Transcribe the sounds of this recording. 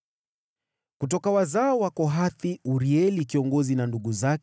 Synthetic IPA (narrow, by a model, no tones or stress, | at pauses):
kut̬ɔkawazaɔwakɔɦaθiuɾiɛlikiɔŋɡɔzinanduɠuzak